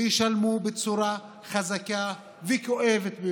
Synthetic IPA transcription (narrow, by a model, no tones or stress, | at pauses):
jiʃalmubet͡suɾa | χazaka | vekoʔevet̪be